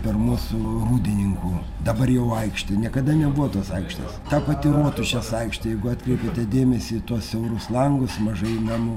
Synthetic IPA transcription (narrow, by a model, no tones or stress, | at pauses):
pʲɛrmuːsʊruːd̪ʲɪnʲɪŋkuː | d̪ɐbɐrjɛʊɐɪkʃt̪ʲɪnʲiɛkɐd̪ɐnʲɛbuʋɔt̪oːsɐɪkʃt̪ɐ̰st̪ɑːpɐt̪ʲɪroɔt̪ʊʃʲɛsɐɪkʃt̪ɐjɛɪɡʊɑːt̪ʲkɾʲɛɪpʲet̪ʲɛd̪ʲeːmʲɛsʲiːt̪uɔssʲɛʊɾʊslˠɐŋɡʊsmɐʒɐɪnɑmʊ